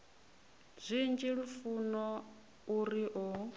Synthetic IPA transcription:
zʷind͡ʒiɺufunɔ | uɾiʔɔ

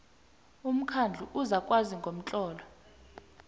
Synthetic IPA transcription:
um̩kʰand͡ɮʱuʔuzakʼwaziŋɡʱom̩t͡ɬʼɔːlɔ

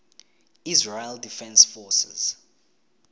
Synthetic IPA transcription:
izɹajldifɛ̃nsfɔsɛ̰z̥

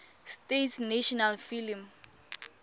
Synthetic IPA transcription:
stetsneʃɔnalfilim

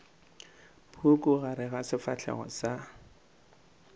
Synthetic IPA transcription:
pʰukʼʊɣaɾɪɣasɪfat͡ɬʰɛ̰ɣɔ̰sa

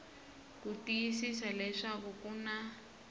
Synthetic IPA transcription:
kutijisisalɛʂakukuna

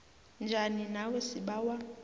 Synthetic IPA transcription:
nd͡ʒʱaninawesiɓawa

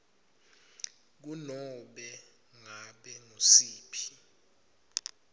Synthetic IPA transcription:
k̬unɔɓɛ | ŋaɓɛŋosiːpʰi̥

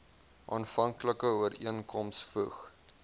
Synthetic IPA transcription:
ʔɑːnfɐŋkləkəuəɾiənkʰɔmsfuχ

